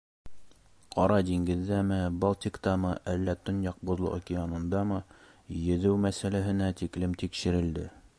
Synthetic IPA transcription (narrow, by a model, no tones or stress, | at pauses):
qɒɾɑd̪iŋɡɘ̆ðːæmɘbɑlˠt̪ikt̪ɑmɤʔælːæt̪ŏnjɑq̚bŏðlˠɤ̰ʔokʲɪanɤ̆nd̪ɑmɤjɘ̆ðɘwmæsælæɦɘ̆næt̪iklɘmt̪ikʃɘ̆ɾɘ̆ld̪ɘ